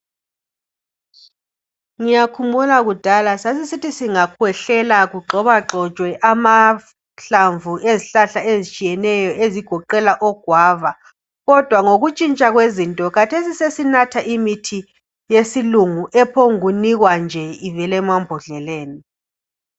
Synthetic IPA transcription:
ŋijakʰumulaɣud̥ʱalasasisitʰisiŋakʰwɛɬɛlaɣuǃʱɔβaǁɔt͡ʃʼwɛʔama | ɬaɱvueziɬaɬaezit͡ʃʼijɛnɛjɔeziɡ̥ʱɔǃɛlaʔɔɡ̥ʱwaːva | ɣɔd̥ʱwaŋoɣut͡ʃʼint͡ʃʼaɣwezintʼɔkatʰesisesinatʰaʔimitʰi | jesiluŋuʔɛpʰɔŋuniɣwand͡ʒʱɛivɛlɛmambʱɔɮɛleːni

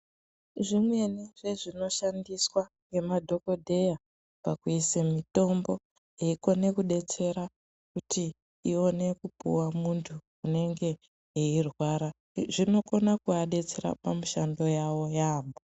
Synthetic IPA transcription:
ʐimwe̞neʐe̞ʐino̞ʃandiswaŋɡe̞madʱo̞ko̞dʱe̞ja | pakuisemito̞mbo̞ | eiko̞ne̞kuɗe̞t͡se̞ɾa | kutʰi | io̞ne̞kupṵwamuntʰu | une̞ŋɡe̞ | eirwaɾa | ʐino̞ko̞nakuaɗe̞t͡se̞ɾa̰pamuʃando̞jawo̞jaːmbo

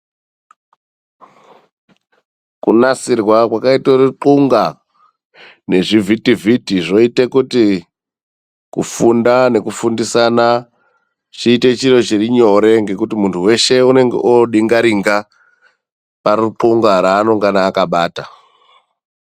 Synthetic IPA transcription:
kunasirwakwakaitoruǃuŋɡa | ne̞ʐivitivʱitiʐo̞itekuti | kufundane̞kufundisana | t͡ʃiːte̞t͡ʃiro̞t͡ʃiriɲo̞ɾe̞ŋɡe̞kutimuntʰuwe̞ʃe̞une̞ŋɡḛʔoɗiŋɡaɾiŋɡa | paɾuǃuŋɡaɾaːno̞ŋɡanaːkaɓaːta

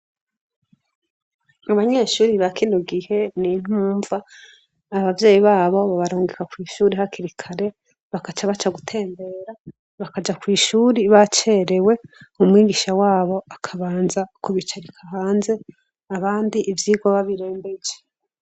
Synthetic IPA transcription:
aβaɲe̞ːʃuːɾiβakinoɡihe̞nin̥huːɱvaː | βavje̞ːjiβaːβo̞βaβaɾoːŋɡekakwiːʃuːɾiɦakiɾikʰaɾe̞ | βakat͡ʃaβat͡ʃaɡutʰe̞ːmbe̞ːɾa | βakad͡ʒakwiːʃuːɾiβat͡ʃe̞ɾe̞we̞umŋiːɡiʃawaːβo̞akʰaβaːnzakuβit͡ʃaɾikʰaɦaːnze̞ | aβaːndiʔivjiːɡwaβaβiɾeːmbed͡ʒe̥

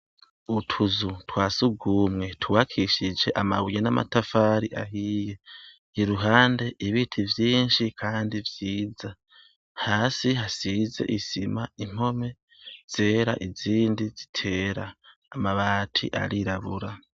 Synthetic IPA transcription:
utʰuzutwaːsuɡuːmŋe̞tʰuwaːkʰiʃid͡ʒe̞ʔama̰βujenamʔa̰tafaːɾiʔa̰ɦiːje̞ | iɾuɦaːnde̞ʔiβiːtʰivjiːnʃikʰaːndivjiːza | haːsiɦasize̞̰ʔisimaim̥ho̞me̞ | z̥e̞ːɾa̰ʔiziːndizitʰe̞ːɾaː | maβaːtʰḭʔa̰ɾiɾaβuɾa

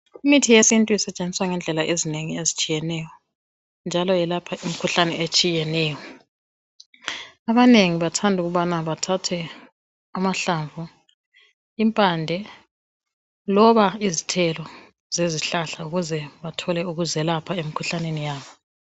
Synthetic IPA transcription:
imitʰijesintʼuisɛt͡ʃʼend͡zʱiswaŋɛnd͡ɮʱɛlaʔezineŋiezit͡ʃʼijɛnɛjɔ | nd͡ʒʱalɔjɛlapʰaʔim̩kʰuɬanɛʔet͡ʃʼijɛnɛːjɔ | aβaneŋiβatʰandʱuɣuβanaβatʰatʰɛ | amaɬaɱvʱu | impʼandʱɛ | lɔβaizitʰɛlɔ | z̥eziɬaɬauɣuzɛβatʰɔlɛuɣuzɛlapʰaemikʰuɬanenijaːβɔ

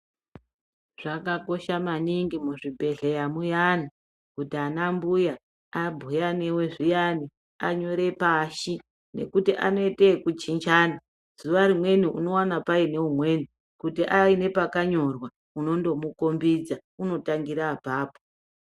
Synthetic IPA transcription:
ʐ̥akako̞ʃamaniŋɡimuʐibʱe̞ɮejamujana | kutianambuja | abʱujanewe̞ʐijani | aɲo̞ɾe̞paʃi | ne̞̰kutiʔa̰no̞itekut͡ʃind͡ʒaːna | z̥uʋaɾimwe̞niʔuno̞wanapaine̞umwe̞ːni | kutiʔaine̞pakaɲo̞rwa | uno̞ndo̞muko̞mbid͡zauno̞taŋɡiɾabʱaːpo̥

